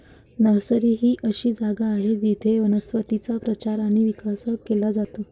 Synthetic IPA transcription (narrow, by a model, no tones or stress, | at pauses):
nəɾsəɾiːɦiːʔəɕiːd͡zaɡaːɦed̪it̪ʰeʋənəsʋət̪it͡sapɾət͡ɕaɾaɽ̃iʋikasəkːelad͡zat̪o